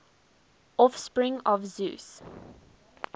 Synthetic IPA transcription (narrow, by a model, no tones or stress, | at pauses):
ɔfspɹɪ̃ŋɔvzʉ̰ːs